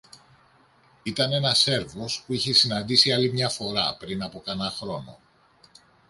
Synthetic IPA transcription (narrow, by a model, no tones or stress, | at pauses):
it̪ɐne̞nɐse̞ɾvo̞spuiçe̞sinɐnd̪isiɐlimɲɐfo̞ɾɐ̰pɾinɐpo̞kɐnɐxɾo̞no̞̰